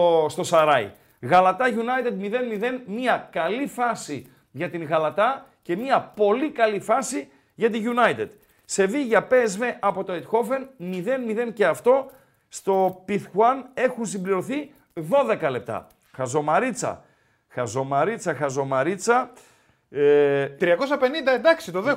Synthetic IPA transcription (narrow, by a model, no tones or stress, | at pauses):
st̪o̞sɐɾɐj̰ | ɣɐlɐt̪ɐʝunɐjt̪ed̪miðe̞nmiðe̞nmiɐkɐlifɐsi | ʝɐt̪iŋɣɐlɐt̪ɐ | ce̞miɐpo̞likɐlifɐsi | ʝɐt̪̬iʝunɐjt̪ed̪̥ | se̞viʝɐpe̞zve̞ʔɐpo̞t̪o̞et̪xo̞fe̞nmiðe̞nmiðe̞nce̞ɐft̪o̞ | st̪o̞piθxwɐne̞xuns̬imbliɾoθi | ðo̞ðe̞kɐle̞p̚t̪ɐ̰ | xɐzo̞mɐɾit͡sɐ̰ | xɐzo̞mɐɾit͡sɐxɐzo̞mɐɾit͡sɐ | t̪ɾiɐko̞sɐpenind̪ɐend̪ɐksit̪oðe